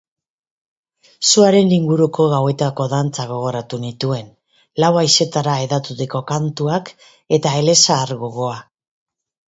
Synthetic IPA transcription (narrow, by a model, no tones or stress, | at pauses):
suaɾe̞nliŋɡuɾuko̞ɣawe̞t̪ako̞ðant͡saɣ̞o̞ɣ̞o̞ɾat̪unit̪ue̞n | lawajse̞t̪aɾae̞ðat̪ut̪eko̞kant̪uak | e̞t̪ae̞le̞saːɾɣoɣo̞a